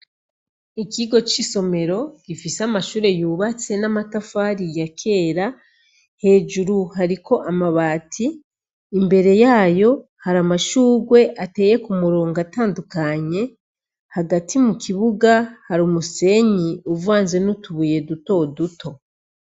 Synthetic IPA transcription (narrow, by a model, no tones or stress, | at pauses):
iciɡo̞t͡ʃiso̞me̞ɾo̞ɡ̥ifiseamaʃuːɾe̞juːβat͡se̞namatafaɾijakʰe̞ːɾa | he̞ːd͡ʒuɾuɦaɾikʰo̞ʔamaβaːtʰiː | mbe̞ɾe̞jaːjo̞ | haɾamaʃuːɡwe̞ʔate̞ːje̞kumuɾoːŋɡataːndukaɲe̞ | haɡatʰimukʰiβuɡahaɾumuse̞ɲiuvuaːnze̞nutuβuje̞duto̞dutʰo̞